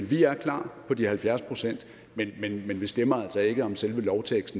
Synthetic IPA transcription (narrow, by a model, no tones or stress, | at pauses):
nʋiæɐkʰlɑ̰̈ːpʰɒ̽d̥ihælfjæɐspʰʁo̝sen̰d̥ | menmenmenʋisd̥emɐæl̰sɒ̽e̝ɡ̥əɒ̽mselʋəlɒʊt͡sʰeɡ̥sd̥n̩